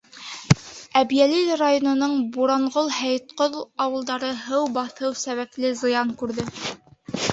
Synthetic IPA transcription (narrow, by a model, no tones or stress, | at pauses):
æbjælilrajonŏnɤɴbuɾɑɴʁolˠhæjt̪̚qoðɑwɤ̆lˠd̪ɑɾɤɦɤwbɑθɤwsæβæklɘzɤ̆jɑŋkʉɾðɘ